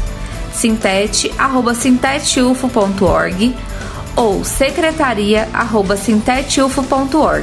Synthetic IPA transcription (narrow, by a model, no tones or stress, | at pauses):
sĩt̪ɛt͡ʃɪʔaɦobɐsĩnt̪ɛt͡ʃufʊpõnt̪ʊɔ̰ɾɡɪ | owsekɾet̪aɾiɐʔa̰ɦobɐsĩt̪ɛt͡ʃufʊpõnt̪ʊɔɾɡɪ